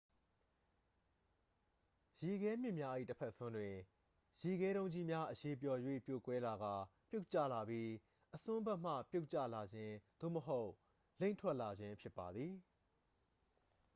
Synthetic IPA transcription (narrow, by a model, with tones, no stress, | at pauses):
ji˨ɡɛ˦m̥jɪ̃˦˨mja˦ʔḭ˦˨təpʰɛ˦ʔsʊ̃˦ndwɪ̃˨ | ji˨ɡɛ˦ɾõ˦ʊ̃ɲd͡ʑi˦mja˦ʔəje˨p̬jɔ˨jwḛ˦˨pjo̰˦˨kwɛ˦la˨ɡa˨pjo˦ʊʔt͡ɕa̰˦˨la˨bji˦ | ʔəsʊ̃˦bɛ˦ʔm̥a̰˦˨pjo˦ʊʔt͡ɕä̰˦˨la˨d͡ʑɪ̃˦d̪̥o̰˦˨məɦo˦ʊ | lẽ˦ɪ̃ntʰwɛ˦ʔla˨d͡ʑɪ̃˦mpʰjɪ˦pːa˨d̪ði˨